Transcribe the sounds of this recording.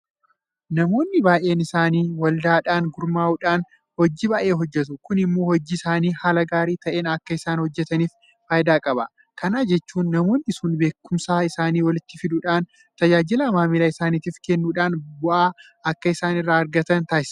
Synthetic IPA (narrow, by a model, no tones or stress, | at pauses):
nɐmo̞ːnːɪbaːjʔe̞ːnɪsaːniːwɐld̪aːᶑaːnɡʊɾmaːʊᶑaːn | hɔd͡ʒːiːbaːʔe̞ːɦɔd͡ʒːɛt̪̬ʊkʊnɪmːo̞ːhɔd͡ʒːɪɪsaːniːhaːlɐɡaːɾiːt̪ɐʔe̞ːnɐkːɐɪsaːnhɔd͡ʒːɛt̪ɐniːf | faːjd̪aːkʼɐbɐ | kɐnaːd͡ʒɛt͡ʃːuːnːɐmo̞ːnːɪɪsuːnbe̞ːkːʊmsaːɪsaːniːwɐlɪt̪ːɪfɪd̪ʊᶑaːn | t̪ɐd͡ʒaːd͡ʒɪlɐmaːmɪlɐɪsaːnit̪iːfkɛnːuːᶑaːnbʊʔaː | ɐkːɐɪsaːnɪrːaːɐɾɡɐt̪ɐnt̪aːɪs